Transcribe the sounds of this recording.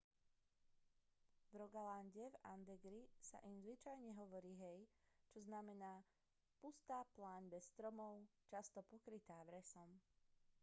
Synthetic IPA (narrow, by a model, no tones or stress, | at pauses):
vɾɔɡalanɟɛva̰nd̪ɛɡɾisa̰ʔimzʋit͡ʃajɲɛɦɔʋɔɾiːɦɛjt͡ʃɔznamɛnaː | pust̪aːplaːɲbɛsːt̪ɾɔmɔʊt͡ʃast̪ɔpɔkɾit̪aːʋɾɛsɔm